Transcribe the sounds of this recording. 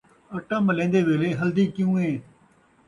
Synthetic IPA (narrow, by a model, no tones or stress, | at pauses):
əʈãːməlẽːnd̪eːʋeːleːɦəld̪iːkjũːɦẽː